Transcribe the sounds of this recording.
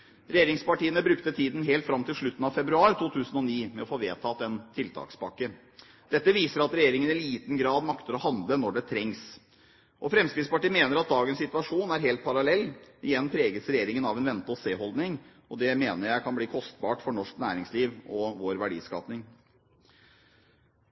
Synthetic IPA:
ɾɛjeːɾɪŋspɑʈiːənəbɾʉkt̪ət̪ʰiːd̪n̩ɦeːlt̪fɾɑmt̪ʰɪlʂɭʉt̪ːn̩ɑʋfɛbɾʉɑːɾt̪ʰuːt̪ʰʉːsən̩ɔniːmɛɔfoːʋeːt̪ʰɑːt̪ɛnt̪ʰɪlt̪ʰɑ̰ːkspɑkːə | d̪̥ɛt̪ːəʋiːsəɾɑt̪ɾɛjeːɾɪŋənɪliːt̪ən̩ɡɾɑːd̪mɑkt̪əɾɔhɑnd̪lənɔɖɛt̪ʰɾɛŋs | ʔɔfɾɛmskɾɪspɑʈiːmeːnəɾɑt̪̚d̪ɑːɡənsɪt̪ʋɑʂuːnæɾɦeːlt̪̚pʰɑɾɑlɛlːɪjɛnːpʰɾeːɡəsɾɛjeːɾɪŋənɑʋɛnʋɛnt̪ɔseːhɔld̪nɪŋ | ɔd̪ɛmeːnəɾjæɪkʰɑnbliːkʰɔst̪bɑːʈfɔɳɔʂknæ̰ːɾɪŋsliːʋʔɔʋoːɾʋæɖḭːskɑ̰ːpnɪŋ

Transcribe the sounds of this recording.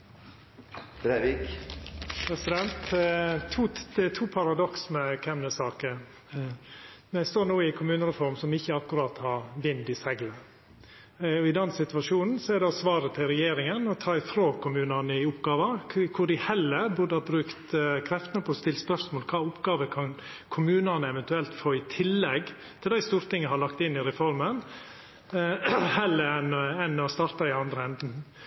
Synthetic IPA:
bɾeʋik | pʰɾɛsɪd̪ɛnt̪ʰ | uːd̪̥ɛt̪ʰuːpʰɑɾɑd̪ɔksməkʰɛmnəsɑːkə | æst̪oːɾnuːɪkʰʊmʉːnəɾɛfɔɾmsɔmɪçəɑkːʉɾɑːt̪hɑɾʋɪnd̪ɪsɛɡlə | ɔɪd̪ɛnːsɪt̪ʉʋɑʂuːnn̩sɔɛɾd̪ɛɔsʋɑːɾət̪ʰɪlɾɛjeːɾɪŋənɔt̪ʰɑːɪfɾoːkʰʊmʉːnɑnəɪʊpɡɑːʋəkʰʊɖɪhɛlːəɾbʊd̪əɑbɾʉːkt̪kʰɾɛft̪ənəpʰɔst̪ɪlspœɾsmoːlkʰɑːʊpɡɑːʋəkʰɑn | kʰʊmʉːnənəɛʋɛnt̪ʉɛlt̪foːɪt̪ʰɪlːɛɡ | t̪ʰɪld̪æɪst̪uːɾt̪ʰɪŋːəɦɑɭɑkt̪ɪnːɪɾɛfɔɾmən | hɛlːəɾɛnɛnɔst̪ɑɾt̪ɑɪɑnd̪ɾəɛnd̪n̩

